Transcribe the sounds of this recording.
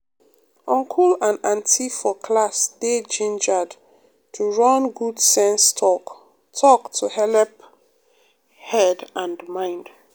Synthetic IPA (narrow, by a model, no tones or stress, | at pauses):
ɔ̃ŋkʰulãnãntʰifɔkʰlasded͡ʒĩnd͡ʒad | tʰuɹɔ̃nɡudsɛ̃nstʰɔk | tʰɔktʰuhɛlɛp | hɛdãndmãɪ̃nd